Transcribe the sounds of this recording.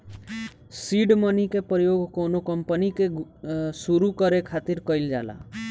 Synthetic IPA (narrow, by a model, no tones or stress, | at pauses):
siːɖmənikepɾəjoːɡkoːnokɐmpənikesuɾukəɾekʰaːt̪ɪɾkəɪld͡ʒa̰ːla̰ː